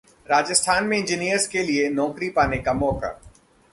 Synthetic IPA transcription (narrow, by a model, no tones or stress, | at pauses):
ɾaːd͡ʒəst̪ʰaːnmẽɪ̃ɲd͡ʒinijəɾzkelienɔːkɾipaːnekamɔːka̰ː